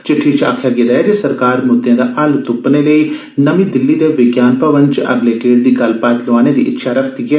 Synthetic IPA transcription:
t͡ʃɪʈʰːiːt͡ʃʰa̰ːkʰjaːɡeːd̪aːɛːd͡ʒeːsəɾkaːɾmʊd̪jãːd̪aːʔɐlt̪ʊpneːləiː | nəmĩːd̪ɪlːiːd̪eːʋɪɡjaːnpəʋənt͡ʃəʔə̰ɡleːkeːʈ̚d̪iːɡəlpaːt̪loaːneːd̪ḭːʔɪ̰t̪ːʃʰaːɾəkʰt̪iːɦɛː

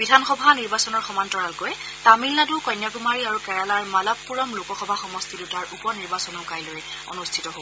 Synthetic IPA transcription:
bidʱanxɔbʱaniɹbasɔnɔɹxɔmantɔɹalkojɛ | tamilnadukɔjnjakumaɹiaɹukɛɹalaɹmalapːuɹɔmlokɔxɔbʱaxɔmɔstʰidutaɹʔupɔniɹbasɔnoʊkajlojɛ | o̰nustʰitɔɦo

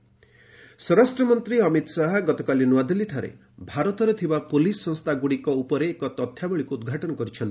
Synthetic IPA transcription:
sɔɾasʈɾɔmɔnt̪ɾiɔmit̪saɦɔɡɔt̪ɔkalinuwad̪iliʈʰaɾḛ | bʱaɾɔt̪ɔɾet̪ʰibapolisːɔ̃ŋst̪ʰaɡuɽikɔupɔɾeːkɔt̪ɔt̪ʰjabɔɭikuːd̪ɡʱaʈɔnɔkɔɾit͡ʃʰɔnt̪i̥

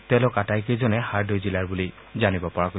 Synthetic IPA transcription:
tɛ̃lʊkatajkejzɔnɛhaɹdojzilaɹbuli | zanibɔpɔɹako

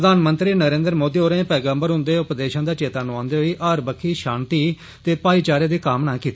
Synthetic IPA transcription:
d̪aːnmənt̪ɾiːnəɾẽːnd̪ɾmoːd̪iːoːɾẽːpɛːɡə̃mbəɾɦʊ̃nd̪eːʊpd̪eːʃãːd̪aːt͡ʃeːt̪aːnũãːnd̪eːɦoiːʔaːɾbəkʰːiːʃaːnt̪iː | t̪eːpaːiːt͡ʃaːɾeːd̪iːkaːmnaːkiːt̪e

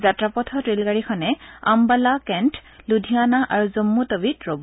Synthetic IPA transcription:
zatɹapɔtʰɔtɹilɡaɹikʰɔnɛa̰mbalakɛntʰludʱianaʔaɹuzomːutobitɹob

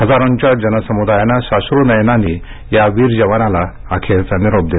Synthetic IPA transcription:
ɦəd͡zaɾəɲt͡ɕjad͡ʑənəsəmud̪ajanaɕasɾunəjnani | jaʋiːɾd͡ʑəʋanalaː | kʰet͡saniɾob̚d̪e

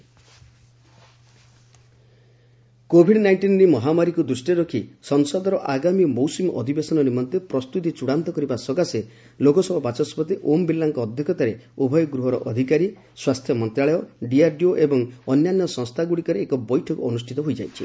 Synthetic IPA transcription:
kobʱiɖnajɳʈinɾimɔɦamaɾikud̪ɾusʈiɾɔkʰisɔnsɔd̪ɔɾɔʔaɡamimowsumʔɔd̪ʱibesɔnɔnimɔnt̪epɾɔst̪ut̪̬it͡ʃuɽant̪ɔkɔɾibasɔɡase | lokɔsɔbɔbat͡ʃɔspɔt̪eʔombilːaŋkɔːd̪ʱjɔkʰɔt̪aɾeubʱɔjɔɡɾuɦɔɾɔʔɔd̪ʱikaɾi | swast̪ʰjɔmɔnt̪ɾaɭɔjɔɖiaɾɖioʔebɔŋɔnjanjɔsɔŋst̪ʰaɡuɽikɔɾeːkɔbɔjʈʰɔkuɔnusʈʰit̪ɔɦojd͡ʒajt͡ʃʰi

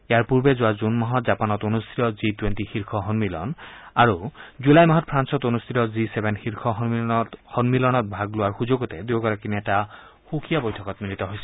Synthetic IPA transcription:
ejaɹpuɹbɛzoazunmaɦɔtzapanɔtonust̪ʰitɔzitwentixiɹkʰɔɦɔnmilɔ̰naɹuzulajmaɦɔt̚pʰɹansɔtonust̪ʰitɔzisebʱenxiɹkʰɔɦɔnmilɔnɔthɔnmilɔnɔt̚bʱaɡloaɹxuzoɡotɛd̪uɡɔɹakinɛta | xukʰijabojtʰɔkɔtmiɹit̪ɔɦojsɛ̥

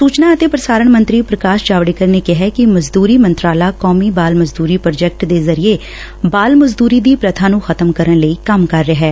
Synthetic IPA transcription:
suːt͡ʃnaːət̪eːpɾəsaːɾəɳmə̃nt̪ɾiːpɾəkaːʃd͡ʒaːʋɽeːkəɾnekɪɦɛkɪməzd̪uːɾiːmənt̪ɾaːlaːkɔːmiːbaːlməzd̪uːɾiːpɾd͡ʒɛk̚ʈd̪eːzəɾieː | baːlməzd̪uːɾiːd̪iːpɾət̪ʰãːnũːxʰət̪əmkəɾəɳləiːkəmkəɾːəɦɛː

